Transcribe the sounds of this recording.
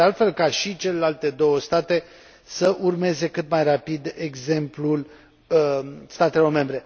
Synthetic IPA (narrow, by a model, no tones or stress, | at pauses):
ealt̪fe̞lkaʃit͡ʃe̞le̞lalt̪e̞d̪o̞wəst̪at̪e̞ | səʔurme̞ze̞kɨt̪majrapid̪e̞ɡze̞mplul | st̪at̪e̞lo̞rme̞mbɾe̞